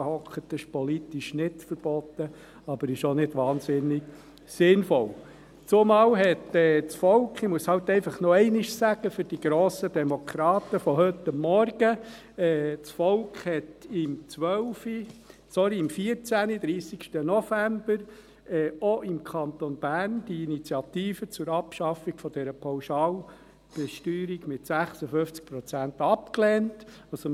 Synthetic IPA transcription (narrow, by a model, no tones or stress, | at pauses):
hɔkχət̪ɪʃpɔlit̪iʃnɪtfəɾb̥ɔt̪ːə | ɑb̥əɾɪʃonɪd̥ʋɑːnsɪnːɪɡ | sɪnfɔl | t͡sʊmɑːwɦɛtɛːt͡sfɔlkχimuəshɑlt̪ɛɪfɑχnɔɛɪnɪʃsæɡ̥əfʏɾd̥iɡ̥ɾoːsədɛmɔkʰɾɑːt̪əfɔɦɵt̪ɑmːɔrɡ̥ə | ɛːt͡sfɔlkχhɛtɪmt͡sʋœʊfi | t͡sɔɾiːmfiəɾt͡sænid̪̥ɾiːsikʃtənɔfæmbəɾ | ɛːoʔɪmkʰɑnt̪onb̥æːɾnd̥iinit͡sjɑt̪iːfət͡sʊɾɑpʃɑfiɡ̥fɔd̥̪ɛɾəpʰawʃɑːl | b̥ɛʃtyːɾiɡmɪtsæχsəfʏft͡sk̚pɾɔt͡sæntɑpkleːntɑso